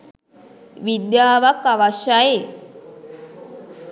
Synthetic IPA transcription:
ʋid̪jaːʋakːaʋaʃjaje

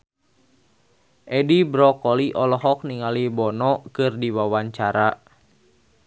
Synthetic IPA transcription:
ʔɛdibɾɔkɔliʔɔlɔɦɔk̚niŋalibɔnɔkɨrdiwawaɲt͡ʃaɾa

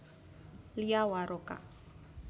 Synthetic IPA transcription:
liawaɾɔkʼa̰

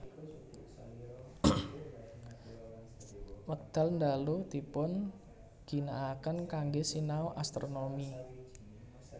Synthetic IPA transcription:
wək̚d̪̥a̤lnd̪alud̪ipʊn | ɡ̥i̤naːkənkaŋɡesinaoʔast̪ɾonomi

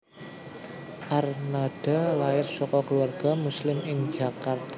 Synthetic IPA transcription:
ʔarnad̥a̤laɪrsɔkɔkəluarɡ̥a̤muslɪmɪŋd͡ʒa̤kart̪̚

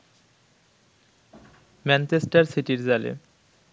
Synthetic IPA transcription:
mɛnt͡ɕesʈaɾsiʈiɾd͡ʑalḛ

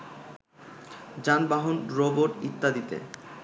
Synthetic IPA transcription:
d͡ʑanbaɦonɾoboʈit̪ːad̪it̪ḛ

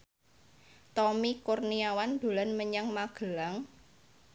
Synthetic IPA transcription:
t̪ɔmikurniawand̪̥o̤lanməɲaŋmaɡ̥ə̤laŋ

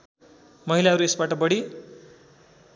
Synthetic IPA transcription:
mʌɦilaɦʌɾuesbaʈʌbʌɽi

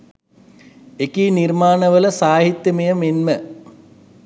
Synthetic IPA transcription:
ekiːnirmaːnəʋələsaːɦit̪jəmejəmenmə

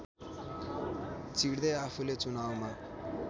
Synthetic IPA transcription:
t͡siɽd̪ʌjapʰulet͡sunawma

